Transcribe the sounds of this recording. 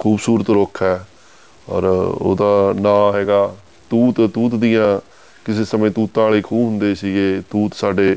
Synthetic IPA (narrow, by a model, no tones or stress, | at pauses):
kʰuːbsuːɾət̪ɾokʰɛː | ɔ̰ːɾo̰ːd̪aːnãːɦɛːɡaː | t̪uːt̪t̪uːt̪d̪ijãː | kɪseːsəmẽːt̪uːt̪ãːleːkʰuːɦʊnd̪eːsiːɡeːt̪uːt̪saːɖeː